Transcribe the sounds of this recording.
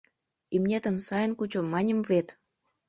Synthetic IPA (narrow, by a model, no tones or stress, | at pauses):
imnʲet̪ə̆nsɑjənkut͡ɕomːɑnʲə̆mvet̪